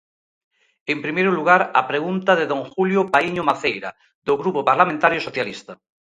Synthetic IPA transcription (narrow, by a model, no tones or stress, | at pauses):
empɾimejɾoluɣ̞aɾapɾeɣunt̪aðeðoŋxuljopaiɲomaθejɾa̰ | ðoɣɾupopaɾlamẽnt̪aɾjosoθjalist̪a